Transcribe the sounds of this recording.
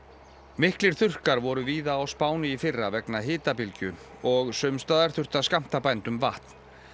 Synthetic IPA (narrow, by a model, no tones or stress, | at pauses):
mɪhklɪɾ̥θʏr̥kaɾvɔɾʏviːðaːwspaːwnɪifɪrːavɛknaɦɪːt̪apɪlcʏn | ɔɣsʏmst̪aːðaɾ̥θʏr̥t̪askam̥t̪apajnt̪ʏmvaht̪n̥